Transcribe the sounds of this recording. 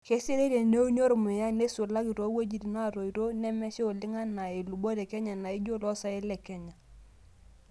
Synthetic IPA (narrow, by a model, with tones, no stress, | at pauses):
ke˦si˦ɾe˦ɾe˨ne˦u˦ɲo˦ɾmʊ˨ja˦ne˦sʊ˨la˦ki˨to˨˦we˦d͡ʒi˨ti˨na˦˨ɾo˨i˨ɾo˦nɛ˦mɛ˦ʃe˦o˨lɪ˦ŋa˦na˨i˨lu˨bo˦tɛ˨kɛ˦ɲa˨na˨i˦d͡ʒo˦lɔ˦sa˨e˦lɛ˨kɛ˦ɲa˨